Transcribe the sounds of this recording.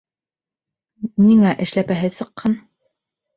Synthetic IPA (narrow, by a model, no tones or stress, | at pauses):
niŋæʔɘ̆ʃlæpæɦɘðsɤ̆qːɑn